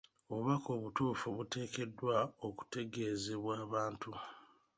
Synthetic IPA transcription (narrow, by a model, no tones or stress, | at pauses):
oββako̞ːβutuːfuβute̞ːke̞dːwao̞ku̥te̞ɡe̞ːzeβwaːβaːntu